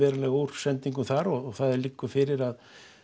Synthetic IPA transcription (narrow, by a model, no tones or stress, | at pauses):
ɛːɾalɛːɣowɾ̥sɛnt̪iŋkʏmθaɾɔɣɔɣθaðɪlikːʏfɪɾɪɾað